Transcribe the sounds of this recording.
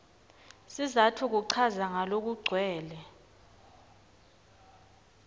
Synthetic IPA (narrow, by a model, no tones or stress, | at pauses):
sizatʰuk̬uǀʰazaŋalok̬uɡ͡ǀʱwɛːlɛ